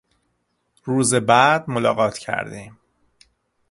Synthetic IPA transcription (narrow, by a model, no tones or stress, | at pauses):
ɾuːzebæd̪̚molɒ̰ːɣɒːt̪ʰcʰæ̰ɾd̪iːm